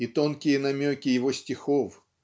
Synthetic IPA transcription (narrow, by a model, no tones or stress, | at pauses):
it̪onkʲɪjənɐmʲokʲɪjɪvosʲtʲɪxof